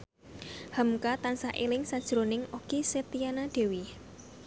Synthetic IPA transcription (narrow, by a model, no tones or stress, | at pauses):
hamukat̪ansaʔḛlɪŋsad̥ʒ̥ɾonɪŋoɡ̥iset̪ijanaɖ̥e̤wi